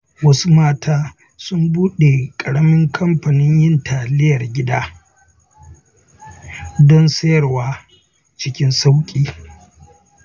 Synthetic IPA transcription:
wɐ˦su˦maː˦tʰaː˦ | sʊ˦mbuː˦ɗe˨kʼɐ˨ɽɐ˦mɪ˦ŋkʰɐ˦mɸɐ˨nɪ˦ɲjɪ˦ntʰaː˨lɪ˦jɐ˨rɡʲɪ˦daː˦ | dɔ˦nsɐ˦jɐ˨rwaː˦ | t͡ʃɪ˦kʲɪ˦nsa˦wkʲʼiː˦

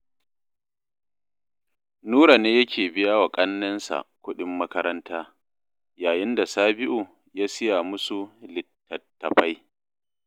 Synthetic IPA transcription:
nuː˦ɾa˨neː˦jɐ˦kʲeː˨bɪ˦ja˦wa˨kʼɐ˦nːɐ˦nsa̰˨kʷʊ˦ɗɪ˦mːɐ˦kɐ˦ɾɐ˦ntaː˦ | jaː˨jɪ˦nda˨saː˦bɪ˦ʔu˨ | jaː˦sɪ˦ja˨mʊ˦su˨lɪ˨tːɐ˨tːɐ˨ɸa˦j

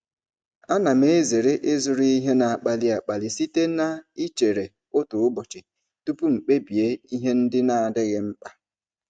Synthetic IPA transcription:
a˦na˨me˦ze˨ɾe˦ʔe˦zʊ˨ɾi˦i˦ɦe˦na˨a˨k͡pa˨li˦a˨k͡pa˨li˨si˦te˦na˦i˦t͡ʃe˨ɾe˨ | ʊ˦tʊ˨ʊ˦bɔ˨t͡ʃɪ˨ | tu˦pu˦ŋ͡m̩˨k͡pe˦bi˨e˦i˦ɦe˦n̩˦dɪ˦na˦a˨dɪ˦ɣɪ˦ŋ͡m̩˦k͡pa˦

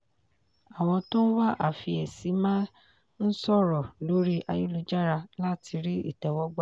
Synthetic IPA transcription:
a˨w̃ɔ̃˧tõ˦n̩˦wa˦ʔa˦˨fi˧ɛ˨si˨˦mã˦ | n̩˦sɔ˦˨ɾɔ˨lo˨˦ɾi˦ʔa˧ju˦lu˧d͡ʒa˦ɾa˧la˦ti˧ɾi˦ḭ˦˨tɛ˨wɔ˦ɡ͡ba˦

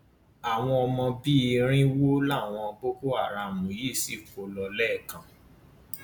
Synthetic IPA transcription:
a˨w̃ɔ̃˧ɔ˧mɔ̃˧bi˦i˧ɾ̃ĩ˦wo˦la˦˨w̃ɔ̃˧bo˦ko˦a˦˨ɾa˨˧˨mũ˨ji˦˨si˦˨fo˨˦lɔ˧lɛ˦˨kã˨

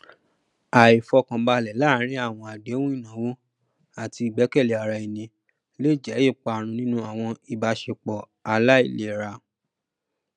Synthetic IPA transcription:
a˨i˨fɔ˧kã˨ba˧lɛ˨la˦ɾ̃ĩ˦a˦˨w̃ɔ̃˧a˨de˨˦wũ˦i˦˨nã˨˦wu˦ | a˦˨ti˧i˨ɡ͡bɛ˨˦kɛ˦˨le˨a˨ɾa˧˨e˨nĩ˧ | le˦˨d͡ʒɛ˨˦e˦˨k͡pa˧˨ɾ̃ũ˧nĩ˦nũ˦a˦˨w̃ɔ̃˧i˨ba˧ʃe˧k͡pɔ˨ | a˨la˦i˦˨le˨ɾa˧

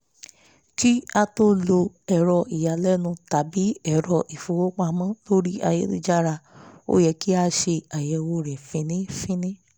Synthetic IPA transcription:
ki˦a˧to˦lo˧ | ɛ˨ɾɔ˧i˨ja˨lɛ˦nũ˧ta˨˦bi˨˦ɛ˦˨ɾɔ˧˨ʔi˨fu˨wo˦k͡pa˧mã˦lo˦ɾi˦ʔa̰˧jɛ˨˦dḭ˧˦d͡ʒa˦ɾa˧o̰˦jɛ˧ki˦a˧ʃe˧a˨jɛ˨˧wo˦ɾɛ̃˨fĩ˨˧˦nĩ˦fĩ˦nĩ˦

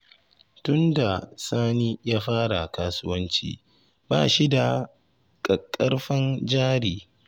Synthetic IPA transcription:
tʊ˦nda˨saː˦niː˦jaː˦ɸaː˦ɽa˨kaː˦sʊ˦wɐ˦nt͡ʃḭː˨ | ba̰ː˦˨ʃi˦da˨ | kʼɐ˨kʼːɐ˦rɸɐ˦nd͡ʒaː˦ɾiː˨

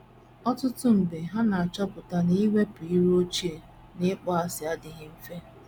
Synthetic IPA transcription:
ɔ˦tʊ˦tʊ˦m̩˨be˨ɦa˦na˨a˨t͡ʃɔ˦pʊ˨ta˨n˦i˦we˦pu˨i˦ɾo˦t͡ʃi˦e˨ | nɪ˦k͡pɔ˦a˨sɪ˨a˦dɪ˨ɣɪ˦m̩˦fe˦

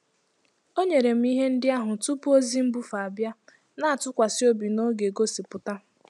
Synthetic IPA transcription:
o˦ɲe˨ɾe˨m̩˦i˦ɦe˦n̩˦dɪ˦a˦ɦʊ˨tu˦pu˦o˦zi˦m̩˦bu˦fa˨a˨bja˦ | na˦a˨tʊ˦kʷa˨sɪ˦o˦bi˨no˦ɡe˨ɡo˦si˨pʊ˨ta˦

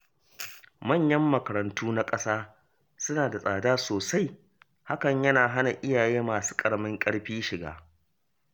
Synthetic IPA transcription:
mɐ˦˨ɲjɐ˦mːɐ˨kɐ˨ɾɐ˨ntuː˦na˦kʼɐ˦saː˦ | sʊ˦naː˨da˨sʼaː˨daː˦soː˨sa˦j | ha˦kɐ˨ɲjɐ˦naː˨ɦa˦na˨ʔɪ˦jaː˨jeː˦maː˨su̥ː˦kʼɐ˨ɽmɪ˦ŋkʼɐ˦ɽɸiː˦ʃɪ˨ɡa̰ː˨

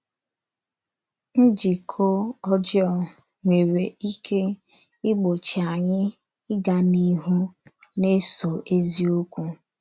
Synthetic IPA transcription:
n̩˦d͡ʒi˨kʰo˦ɔ˦d͡ʒjɔ˨ | ŋʷe˨ɾe˨i˦kʰe˦ | ɪ˦ɡ͡bo˨t͡ʃi˨a˨ɲɪ˦ | ɪ˦ɡa˨ni˦ɦu˦ne˦so˨ʔe˦zi˦o˦kʷu˦

